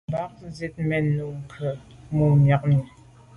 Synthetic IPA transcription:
ba˦k̚ze˦t̚mɛ˦nu˨ŋ̩˨kʰə˨mo˨mja˨k̚ni˨

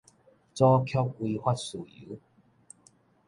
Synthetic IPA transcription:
t͡sɔ˦kʰjɔ˦˥p̚wi˧hwa˦t̚su˨˩ḭ˨˦

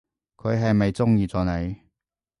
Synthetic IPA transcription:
kʰɵ˨˧ɥɦɐ˨jmɐ˨jt͡sʊ˥ŋjiː˨˧t͡sɔː˨˩ne˨˧j

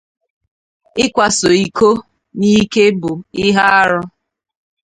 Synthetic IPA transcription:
ɪ˦kʷa˨so˨i˨ko˦ | ni˦ke˦bʊ˨ɪ˦ɦa˦a˦ɾʊ˦

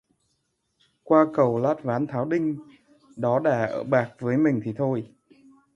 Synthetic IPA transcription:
kwaː˧kə˨˩wlaː˦˥t̚vaː˨˦nt̪ʰaː˨˦wɗï˧ŋ̟ | ɗɔ˨˦ɗa̰ː˧˩ʔə̰ː˧˩ɓaː˨˩k̚vəː˨˦jmï˨˩ŋ̟t̪ʰi˨˩t̪ʰo˧j

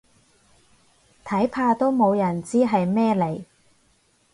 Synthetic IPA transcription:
t̪ʰɐ˨˥jpʰaː˧t̪o˥wmo˨˧wjɐ˨˩nt͡siː˥ɦɐ˨jmɛː˥le˨˩j

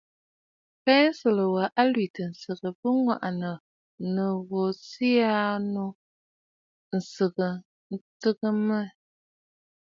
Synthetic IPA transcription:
pɛ˦n̩˦si˨lə˨wa˨ʔa˦lɥi˨tə˨n̩˨sɨ˨ɣə˨pə˦ŋwa̰˨ʔa˨nə˨ | nə˨ɣo˨si˦a˦nu˦ | n̩˨sɨ˨ɣə˨ | n̩˦tɨ˦ɣə˦mə˦

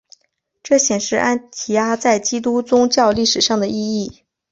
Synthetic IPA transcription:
ʈ͡ʂɤ˥˩ɕjɛ˨˩nʂɻ̩˥˧ʔa˥nt̪ʰi˧˥a˥t͡sa˥˩ɪt͡ɕi˥t̪u˥t͡sʊ˥ŋt͡ɕjɑ˥˧ʊli˥˩ʂɻ̩˨˩ʂɑ˥˩ŋd̪ə˩ʔi˥˧i˥˩

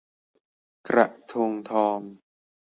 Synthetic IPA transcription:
kɾa̰˨˩ʔt̪ʰoː˧ŋt̪ʰɔː˧m

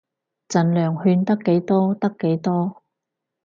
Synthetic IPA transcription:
t͡sɐ˨nlœː˨˩ŋhyː˧nt̪ɐ˥kːe˨˥jt̪ɔː˥t̪ɐ˥kːe˨˥jt̪ɔː˥

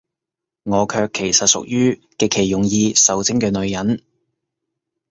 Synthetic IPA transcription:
ŋɔː˨˧kʰœː˧kʰːe˨˩jsɐ˨t̚sʊ̰˨k̚jyː˥ | kɛː˧kʰe˨˩jːʊ˨˩ŋjiː˧sɐ˨wt͡sɪ˥ŋkɛː˧nɵ˨˧ɥjɐ˨˥n

